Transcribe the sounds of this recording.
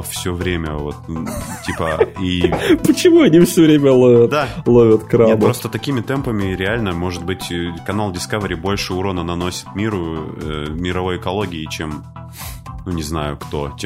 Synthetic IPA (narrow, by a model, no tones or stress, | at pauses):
fsʲovɾʲemʲə̰vo̞t̪̚tʲipəipət͡ɕɪmuɐnʲifsʲɵvɾʲemʲəlˠovʲət̪d̪alˠovʲət̪kɾaebpɾo̞st̪ət̪ɐkʲimʲɪt̪ɛmpəmʲɪɾʲɪalʲnəmo̞ʐɨd̪̚bɨtʲkɐnalˠdʲɪskavɾʲɪbo̞lʲʂɨuɾonənɐno̞sʲɪ̥t̪mʲiɾʊə̰mʲɪɾɐvo̞jɪkɐlˠo̞ɡʲɪɪt͡ɕem | nunʲɪznajʊkt̪o̞t͡ɕʲe